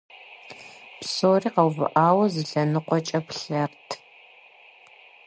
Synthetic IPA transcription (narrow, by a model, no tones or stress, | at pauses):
psoːriːqɐwvɨ̰ʔaːwɐzɨɬɐnɨqʷɔt͡ʃʼɐpɬɐrtʰ